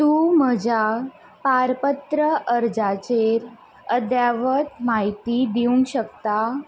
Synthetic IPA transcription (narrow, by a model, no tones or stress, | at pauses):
t̪uːməd͡ʑʱa | paɾpət̪ɾəʔəɾd͡zat͡ɕeɾ | əd̪jaʋət̪maɦit̪id̪iuŋɡɕək̚t̪a